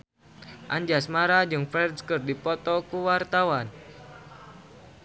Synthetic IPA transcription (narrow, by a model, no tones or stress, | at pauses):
ʔaɲd͡ʒasmaɾad͡ʒɨŋfɾɛdskɨrdipɔt̪ɔkuwart̪awan